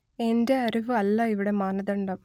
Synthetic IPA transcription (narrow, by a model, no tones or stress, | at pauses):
ɛndɐɐɾiʋɯɐlːãːɪʋɪɽɐmaːnɐðɐɳɖɐm